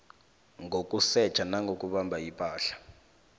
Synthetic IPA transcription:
ŋʱokʼusɛ̥t͡ʃʰʼanaŋɡʱokʼuɓambʱaipʼaːɬḁ

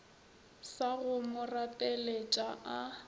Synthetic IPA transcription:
saɣʊmʊrapʼelet͡ʃʼaa

